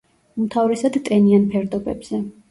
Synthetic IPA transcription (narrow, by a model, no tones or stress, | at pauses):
umt̪ʰavɾɛsad̪t̪ʼɛnianpʰɛɾd̪ɔbɛ̰bz̥ɛ